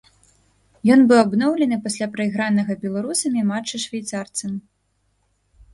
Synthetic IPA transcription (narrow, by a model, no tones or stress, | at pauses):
jɔnbɨwabnɔwlʲɛnɨpasʲlʲapɾɐiɣɾanɐɣɐbʲɛlˠaɾusɐmʲimat͡ʂːɨʂvʲajt̪sart̪sɐm